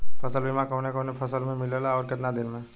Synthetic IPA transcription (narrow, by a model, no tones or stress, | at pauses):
pʰəsəlbimãkɔːnekɔːnepʰɐsəlmẽmɪlelaɔːɾkɪt̪nad̪ɪnmẽ